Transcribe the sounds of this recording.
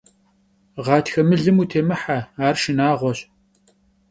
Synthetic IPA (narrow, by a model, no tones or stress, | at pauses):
ʁɑːtxɐmɨɮɨmuːtʰeːmɨħaaːrʃɪnaːʁʷɔɕ